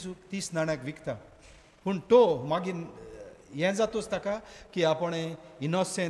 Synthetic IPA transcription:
sukt̪iːsnaɽakʋikt̪a | puɳʈ̪omaɡin | jɛ̃d͡zat̪ost̪akakiapəɽ̃einɔsɛ̃

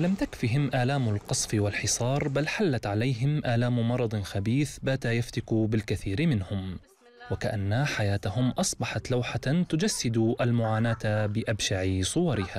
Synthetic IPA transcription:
lamt̪akfiɦɪmʔaːlaːmʊlqɑsˤfɪwalħɪsˤɑːɾˤbalħalːat̪ʕalajɦɪmʔaːlaːmʊmɑɾˤɑd̪ˤxabiːθbaːt̪ajaft̪akubɪlkaθiːɾɪmɪnhʊm | wakaʔanːaħajaːt̪aɦʊmʔɑsˤbɑħɑt̪lawħat̪ʊd͡ʒasːɪd̪uʔalmʊʕaːnaːt̪bɪʔabʃaʕɪsˤʊwɑɾɪhaː

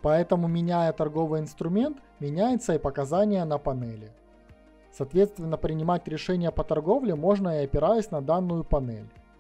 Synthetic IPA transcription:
pɐɛt̪əmʊmʲɪnʲæjət̪ɐrɡo̞vɨjɪnst̪ɾʊmʲe̞nt̪ | mʲɪnʲæjɪt̪səipəkɐzanʲɪjənəpɐnɛlʲɪ | sɐːt̪vʲe̞t̪st̪vʲɪnːəpɾʲɪnʲɪmatʲɾʲɪʂɛnʲɪjəpət̪ɐrɡo̞vlʲɪmo̞ʐnəiɐpʲɪɾajʊsʲnɐd̪anːʊjʊpɐnɛ̰lʲ

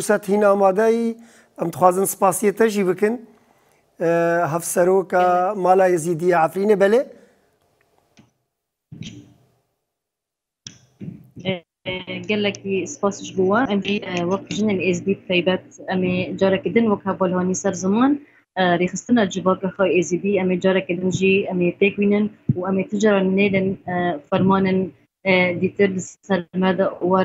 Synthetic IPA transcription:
usɛt̪hiːnɑːmɑːd̪ɛji | ɛmd̪ɨ̥xwɑːzɨnsɨ̥pɑːsijet̪ɛʒiːbɨkɨn | ɦɛfsɛɾoːkɑːmɑːlɑːeziːd̪ijeʕafɾiːneːbɛleː | ɡɛlɛkisɨ̥pɑːsʒbuːwɛʔɛmʒiːwækʒɨneːneːzid̪iːb̚t̪ʰɛjbɛt̪̚ɛmeːd͡ʒɑːɾɛkid̪ɨnwakhɛvɑːlhɑːniːsɛɾzɨmɑːn | ɾeːxɨst̪ɨnɑd͡ʒɨvɑːkɑxɑːeːzid̪iːʔɛmeːd͡ʒɑːɾɛkid̪ɨnʒiɛmeːp̪eːkwiːnɨnuʔɛmeːt̪ʰɨd͡ʒɑɾɑneːd̪enfɛɾmɑːneːn | d̪iːt̪ɨɾlɨsɛɾmɛd̪ɛwɛ

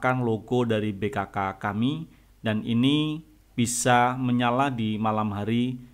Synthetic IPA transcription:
kanloɡɔdaɾibekakakami | danḭni | b̥isaməɲaladimalamɦaɾi

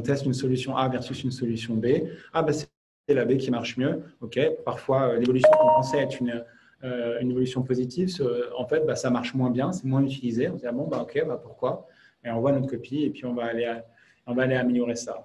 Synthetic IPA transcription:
ɔ̃t̪ɛst̪ynsɔlysjɔ̃ʔavɛʁsysynsɔlysjɔ̃beabasɛ | t̪elabekʲimaʁʃmjøɔkʲepaʁfwaølevɔlysjɔ̃kɔ̃pɑ̃sɛɛt̪χynø | øynevɔlysjɔ̃pozit̪ʰivsəɑ̰̃fɛt̪̚basamaʁʃmwɛ̃bjɛ̃sɛmwɛ̃yt̪ilizeɔ̃sd̪iʁabɔ̃baɔkʲebapuʁkwa | eɔ̃vwanɔt̪χkɔpiepɥiɔ̃vaːlea | ɔ̃vaːleaːmeljɔʁesa

